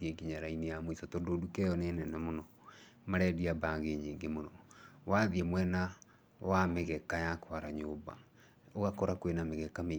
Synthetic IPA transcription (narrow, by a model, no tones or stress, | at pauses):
ieɡiɲaɾainejamoisɔtɔdodukɛjɔnɛnɛnamonɔ | maɾɛdiabaɣeɲeŋɡemonɔwaðiemwɛna | wameɣɛkajakwaɾaɲoːba̰ | oɣakɔɾakwenameɣɛkame